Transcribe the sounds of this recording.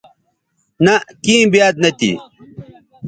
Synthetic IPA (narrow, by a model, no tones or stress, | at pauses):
nɐkiːmbjaːd̪̚nɐt̪ḭ